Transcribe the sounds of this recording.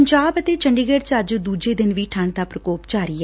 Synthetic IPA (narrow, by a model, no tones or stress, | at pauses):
ɲd͡ʒaːbət̪eːt͡ʃəɳɖiːɡeɖt͡ʃəd͡ʒd̪uːd͡ʒeːd̪ɪnʋiːʈʰəɳd̪aːpɾəkoːpt͡ʃaːɾiːɛ